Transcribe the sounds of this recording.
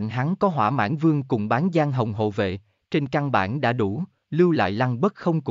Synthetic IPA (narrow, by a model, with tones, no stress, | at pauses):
ŋɦa˨˦ŋkɔ˨˦ɦwaː˧˩ma̰ː˧˥nvɨ˧əŋkʊ˨˩ŋ͡mɓaː˨˦nzaː˧ŋɦə˨˩wŋ͡mɦo̰˧˨vḛ˧˨ | t͡ɕe˧nkaː˧ŋɓa̰ː˧˩nɗa̰ː˧˥ɗu˧˩ | lɨ˧wla̰ː˧˨jla˧ŋɓə˦˥t̚xə˧wŋ͡mk